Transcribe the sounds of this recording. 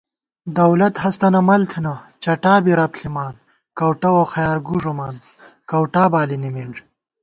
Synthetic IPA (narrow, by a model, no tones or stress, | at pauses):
d̪ɐwlɐt̪hɐst̪ɐnɐmɐlt̪ʰinɐt͡ɕɐʈaːbiɾɐpɬʰimaːn | kɐwʈɐwoxɐjaːɾɡuʐumaːn | kɐwʈaːbaːlinimiɳʐ